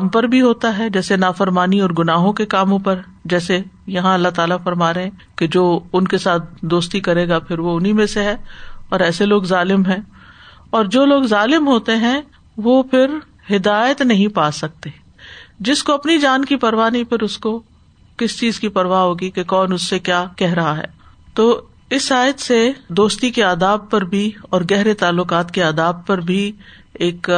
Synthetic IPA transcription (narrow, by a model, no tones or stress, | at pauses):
mpɐɾbʱiɦoːt̪aɦɛd͡ʒɛːsenaːfɐɾmaːniɔːɾɡʊnaːɦõkekaːmõpɐɾ | d͡ʒɛːsejɐɦãɐlːaɦt̪aːlafɐɾmaːɾeɦɛ̃ | ked͡ʒoːʊnkesaːt̪̚ʰd̪oːst̪ikɐɾeːɡapʰɪɾʋoʊnɦimẽseɦɛ̃ːɔːɾɛːseloːɡzaːlɪmɦɛ̃ | ɔːɾd͡ʒoːloːɡzaːlɪmɦoːt̪eɦɛ̃ | ʋopʰɪɾ | hɪd̪aːjət̪nɐɦĩpaːsɐk̚t̪eː | d͡ʒɪskoɐpnid͡ʒaːnkipɐɾʋaːnipʰɪɾʊsko | kɪst͡ʃiːzkipɐɾʋaɦoːɡikekɔːnʊsːekjaːkɛɦɾɐɦaɦɛ̰ː | t̪oː | ɪsaːjət̪sed̪oːst̪ikeaːd̪aːb̚pɐɾbʱiɔːɾɡɛɦɾet̪aːlːʊkaːt̪keaːd̪aːb̚pɐɾbʱi | eːk